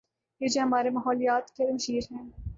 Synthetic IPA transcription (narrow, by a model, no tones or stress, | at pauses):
jed͡ʒeɦɐmaːɾemɐːɦɔːlijaːt̪keɾmɐʃiːɾɦɛ̃ː